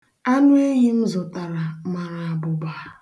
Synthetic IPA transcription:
a˦nʊ˦e˦ɲi˦n̩˦zʊ˨ta˨ɾa˨ma˨ɾa˨a˨bʊ˨baː˦˨

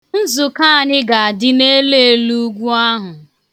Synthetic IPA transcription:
n̩˦zu˨ka˦˨ɲɪ˦ɡa˨a˨dɪ˦ne˦le˦e˦lu˦ɡʷu˦a˦ɦʊ˨

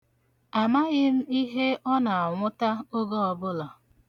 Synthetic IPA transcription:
a˨ma˦ɣɪ˦m̩˦i˦ɦe˦ɔ˦na˨a˨ŋʷʊ˦ta˦o˦ɡo˦ɔ˨bʊ˦lɔ˨

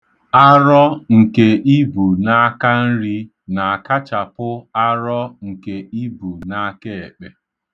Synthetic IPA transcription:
a˦ɾɔ˦ŋ̩˨ke˨ʔi˦bu˨na˦ka˦n̩˦ɾi˦ | na˨a˨ka˦t͡ʃa˨pʊ˦a˦ɾɔ˦ŋ̩˨ke˨ʔi˦bu˨na˦ke˦e˨k͡pe˦

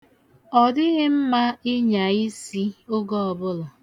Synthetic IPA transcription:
ɔ˨dɪ˦ɣɪ˦m̩˦ma˦ɪ˦ɲa˨i˦si˦o˦ɡɔ˦ɔ˨bʊ˦lʊ˨

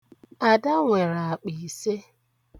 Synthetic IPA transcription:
a˨da˦ŋʷe˨ɾa˨a˨k͡pi˨se˦

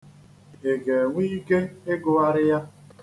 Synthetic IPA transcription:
e˨ɡe˨ŋʷi˦ɡe˦n˦e˦ɡʊ˦a˦ɾɪ˦ja˦

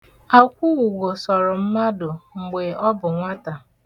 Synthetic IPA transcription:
a˦kʷu˦ɣu˨ɡo˨sɔ˨ɾʊ˨m̩˦ma˦dʊ˨ŋ͡m̩˨ɡ͡be˨ɔ˦bʊ˨ŋʷa˦ta˨

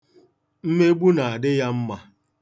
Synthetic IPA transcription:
m̩˦me˦ɡ͡bu˦na˨a˨dɪ˦ja˦m̩˦ma˨

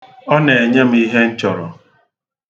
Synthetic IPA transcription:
ɔ˦ne˨e˨ɲe˦m̩˦i˦ɦe˦n̩˦t͡ʃɔ˨ɾɔ˨

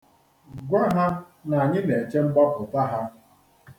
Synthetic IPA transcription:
ɡʷa˦ɦa˦ | na˨a˨ɲɪ˦ne˨e˨t͡ʃe˦m̩˦bɔ˦pʊ˨ta˦ɦa˦

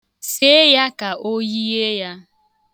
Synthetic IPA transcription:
se˦ja˦ka˨ʔo˦ji˦e˦ja˦

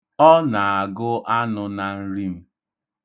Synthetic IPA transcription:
ɔ˦na˨a˨ɡʊ˦ʔa˦nʊ˨na˨n̩˦ɾi˦m̩˦

